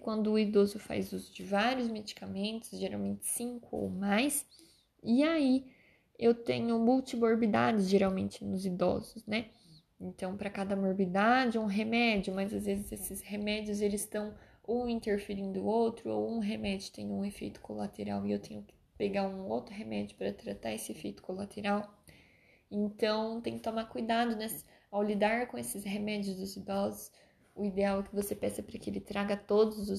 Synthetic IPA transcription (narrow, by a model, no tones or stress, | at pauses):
kwɐ̃nd̪ʊːid̪ozʊfa̰zuzʊd͡ʒɪvaɾjʊzmed͡ʒi̥kamẽnt̪ʊ̥zʒeɾa̰wmẽnt͡ʃ̪ɪ̥sĩŋkʊo̰wmajs | ɪai | ewt̪ḛ̃ɲʊmuwt͡ʃimoɾbid̪a̰d͡ʒɪzʒeɾawmẽnt͡ʃɪnʊzid̪ɔ̰zʊsnɛ | ẽnt̪ɐ̃w̃pɾɐkad̪ɐmoɾbid̪ad͡ʒɪũɦemɛd͡ʒʊmɐzazvezɪzesɪshemɛd͡ʒjʊzelɪsst̪ɐ̃w̃ | ũĩnt̪eɾfeɾĩnd̪ʊʊowt̪ɾʊo̰wũɦemɛd͡ʒʊt̪ẽj̃ũefejt̪ʊ̥kolat̪eɾa̰wɪewt̪ẽɲʊkɪ̥peɡaɾũowt̪ɾʊɦemɛd͡ʒʊpɾɐt̪ɾat̪aesɪefejt̪ʊ̥kolat̪ʰeɾaw | ẽnt̪ɐ̃w̃t̪ẽj̃kɪ̥t̪omakujd̪ad̪ʊnɛsɪ̥ | awlid̪aɾlkõesɪsɦemɛd͡ʒiʊzd̪ʊzid̪ɔzʊs | ʊid̪eawɛkɪvosepɛsɐpɾɐkɪelɪt̪ɾaɡɐt̪od̪ʊzʊ